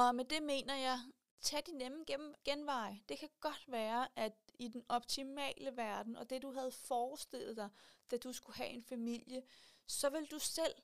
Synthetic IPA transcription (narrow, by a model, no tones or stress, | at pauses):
ɒ̽med̥e̝me̝̰ːnɐjɑ̈ɪ | t͡sʰæd̥inemn̩ɡ̥enʋɑ̈ɪd̥e̝kʰæɡ̥ɒ̽d̥ʋæːɐʔæ̥id̥enɒ̽b̥t͡sʰimɛ̰ːləʋæɐd̥n̩ɒ̽d̥e̝duɦæð̞̩ˠfɒːsd̥e̝l̰ð̞̩ˠd̥ɑ̈ɪd̥æd̥usɡ̥uhæʔe̝nfæmil̰jəsɒ̽ʋe̝ld̥usel̰